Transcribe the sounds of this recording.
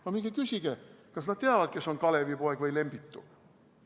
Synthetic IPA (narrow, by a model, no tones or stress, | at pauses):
mɑmiɡ̥ekysiɡ̥ekɑsnɑd̪̥̚t̪eɑvɑd̪̥kesːoŋkɑlevipoekvɤjlemb̥it̪ːṵ